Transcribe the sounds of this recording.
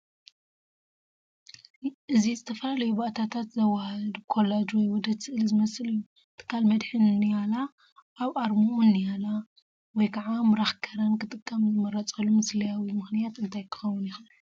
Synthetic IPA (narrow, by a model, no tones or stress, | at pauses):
ʔɨzizɨt̪ʰɐfɐlalɐjubaʔt̪ʰat̪ʰat̪zɐwahɨd̪kʰo̞led͡ʒwɔjwɔd̪ɐt̪sɨʔɨlzɨmɐsɨlɨjːu | t̪ʰɨ̥kʰːalmɐd̪ħɨnnijala | ʔːβʔaɾmuʔunːijala | wɔjkʰaʕamɨɾaxkʰɐɾɐnkʰɨt̪ʼɨkʼːɐmzɨmɐɾɐt͡sʼɐlumɨslijawimɨxnijat̪ɨnt̪ʰajkʰɨ̥xɐwunjixun